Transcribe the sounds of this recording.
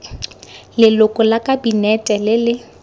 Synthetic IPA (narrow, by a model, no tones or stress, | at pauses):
lɪlʊkʼʊlakʼabinɛtʼɛlɪlɪ